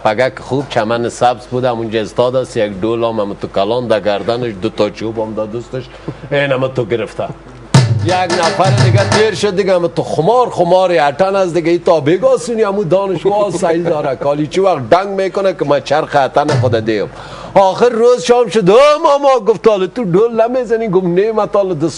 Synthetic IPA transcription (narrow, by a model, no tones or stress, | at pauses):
paɡakɪ̥xuːb̚t͡ʃʰamanɪsabzbud̪aamund͡ʒaɪst̪ɔːd̪asijaɡɖoːlɔːmamɪt̪ʊkalɔːnd̪aɡaɾd̪anɪʃd̪ʊt̪ɔt͡ʃoːbɔmd̪ad̪ust̪ɪʃ | eːnamat̪ʊɡɪɾɪft̪a | jaɡnafaɾɪd̪ɪɡat̪eːɾʃʊd̪ːɪɡaːmat̪ʊxʊmɔːɾχʊmɔːɾeaʈanasd̪ɪɡait̪ɔːbeɡɔːsuniamud̪ɔːnɪʃwɔːsaid̪ɔːɾakɔːlit͡ʃiwaxt̪̚ɖaŋɡmeːkʊnakɪmat͡ʃaɾxat̪anɪxʊd̪ad̪eːom | ɔːxɪɾːoːzʃɔːmʃʊd̪omamɔːɡʊft̪ɔːlet̪uɖoːlnamezaniɡʊmnemat̪ɔːlɪd̪ʊs